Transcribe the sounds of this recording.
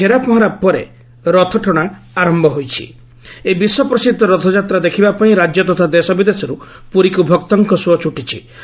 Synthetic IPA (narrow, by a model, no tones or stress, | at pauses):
eɾapɔɦaɾapːɔɾḛ | ɾɔt̪ʰɔʈʰɔɽ̃a | aɾɔmbʱɔɦojt͡ʃʰḭ | ebiswɔpɾɔsid̪ʱːɔɾɔt̪ʰɔd͡ʒat̪ɾad̪ekʰibapaĩɾad͡ʒjɔt̪ɔt̪ʰad̪esɔbid̪esɔɾu | puɾikubʱɔkt̪ɔŋkɔsuɔt͡ʃuʈit͡ʃʰi